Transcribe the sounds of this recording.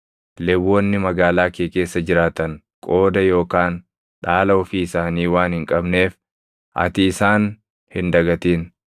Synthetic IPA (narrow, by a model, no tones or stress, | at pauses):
lɛwːɔnːɪmɐɡaːlaːkeːkʼe̞ːsːɐd͡ʒɪɾaːt̪ɐŋ | kʼo̞ːd̪ɐjo̞ːkaːn | ᶑaːlɐɔfiːɪsaːniːwaːnhɪŋkʼɐbneːf | ʔɐ̰t̪iːsaːn | hɪnd̪ɐɡɐt̪iːn